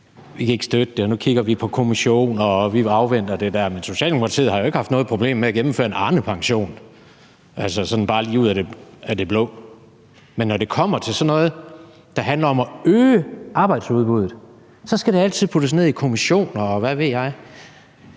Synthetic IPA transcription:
ʋikʰæe̝ɡ̥sd̥ød̥əd̥e̝ɒnukʰiɡ̥ɐʋipʰɒ̽kʰo̝miɕo̝̰ːnɒ̽ʋiɑ̈ʊʋen̰d̥ɐd̥e̝d̥æɐmenso̝ɕɛ̰ːldemokʰɑ̈t͡sʰḭːð̩ˠhɑ̈jo̝e̝ɡ̥əhɑ̈fd̥nɔ̽ːð̩ˠpʰʁo̝b̥le̝̰ːmːeæɡ̥em̩fø̰ːɐenɑ̈ːnəpʰɑ̈ŋɕo̝̰ːn | ʔælsəsɒ̽n̩b̥ɑ̈ːlḭːuðˠæɾ̥e̝æd̥e̝b̥lɔ̽ː | menːɒde̝kʰɒ̽m̰ɐt͡sʰe̝lsɒ̽nːɔ̽ːð̩ˠ | d̥ɑ̈ɦænlɐɒ̽mɒøːəʔɑ̈ːb̥ɑ̈ɪd̥suð̞ˠb̥uð̞ˠð̩ˠ | sɒ̽sɡ̥æɾe̝æl̰t͡sʰið̞̰ˠpʰud̥əs̬ne̝ð̞̰ˠikʰo̝miɕo̝̰ːnɒʋæʋe̝ð̰ˠjɑ̈ɪ

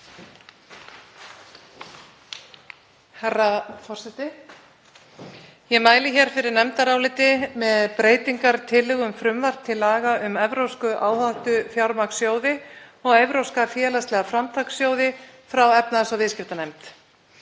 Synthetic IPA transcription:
hɛrːafɔr̥sɛt̪ɪ | jɛmaːjlɪçɛɾ̥fɪɾɪɾnɛmt̪aɾaːwlɪːt̪ɪmɛðpɾeːjt̪iŋkaɾ̥t̪ʰɪlɪɣʏmfɾʏmvar̥t̪ʰːɪlaːɣaʔʏmɛvɾowskʏʔaːwhaht̪ʏfjawɾmaksjoːwðɪɔɣejvɾowskafjɛːlast̪lɛɣafɾamt̪ʰaksjoːwðɪfɾawɛpnaðsavɪscɪft̪anɛmt̪

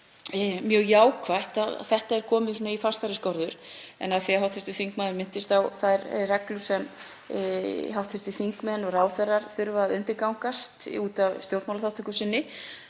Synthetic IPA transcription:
mjœːɣjaːwkʰvajht̪að̰θɛht̪aɛɾkʰɔːmɪsuːnaifast̪ajɾɪskɔɾðʏɾɛ̰naðθviɦawt̪fɪɾ̥t̪ɪθiŋkmaðʏɾmɪn̥t̪ɪst̪awθajɾrɛklʏsɛm̰ | ɦawht̪fɪɾ̥t̪ɪθiŋkmɛnːɔɣraːwθɛrːaɾ̥θʏɾvaðʏnt̪ɪɾkawŋ̥kast̪uːt̪avst̪jowɾt̪mawlaθawt̪ʰʏkʏsɪnːɪ

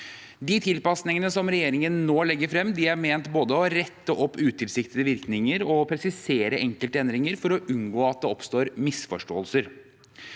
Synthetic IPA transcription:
d̪ɪt̪ʰɪlpɑsnɪŋənəsɔmɾɛjeːɾɪŋənːoːlɛɡːəɾfɾɛmːd̪ɪæɾmeːnt̪boːd̪əɔɾɛt̪ːəʔɔpːʉːt̪ʰɪlsɪkt̪ɪəʋɪɾknɪŋəɾɔpʰɾɛsɪseːɾəʔɛŋkəlt̪əɛnd̪ɾɪŋəɾfɔɾɔʔʉnɡoːɑt̪̚d̪ɛɔpst̪oːɾmɪsfɔʂʈo̰ːəlsəɾ

